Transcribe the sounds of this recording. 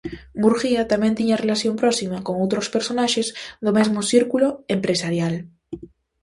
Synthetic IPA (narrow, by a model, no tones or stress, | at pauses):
muɾxiat̪amjent̪iɲarelaθjo̞mpɾosimakoŋowt̪ɾospeɾsonaʃezðomezmosiɾkuloempɾesaɾjal